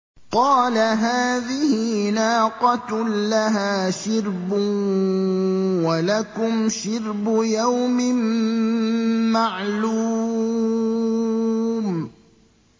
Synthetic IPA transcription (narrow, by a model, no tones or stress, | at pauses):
qɑːlaɦaːðɪhɪnaːqɑt̪laɦaːʃɪɾbʊ | walakʊmʃɪɾbʊjawmɪm | aʕluː | m